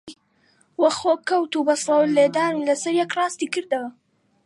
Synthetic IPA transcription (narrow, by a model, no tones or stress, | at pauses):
wɐxoːkɐwt̪ubɐslɐwleːd̪aːnilɐsɐɾjɛkrˤɑːst̪iːkɨɾd̪ɐwɐ